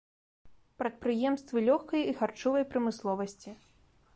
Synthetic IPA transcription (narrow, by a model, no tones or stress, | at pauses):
pɾɐt̪̚pɾɨjɛmst̪vɨlʲɔxkɐjixart͡ʂɔvɐjpɾɐmɨslˠɔvɐsʲt͡sʲi